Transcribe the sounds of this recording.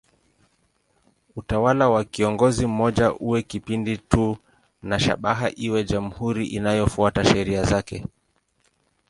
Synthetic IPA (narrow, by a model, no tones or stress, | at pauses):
utawalawakiɔŋɡɔzim̩mɔʄaʔuwɛkipinditu | naʃa̰ɓaɦaʔiwɛd͡ʒam̩huɾiʔinajɔfuataʃɛɾiazakɛ